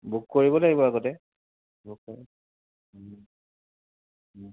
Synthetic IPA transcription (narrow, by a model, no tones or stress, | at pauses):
bukːoɹibɔlaɡibɔaɡɔtɛ | bukkɔɛ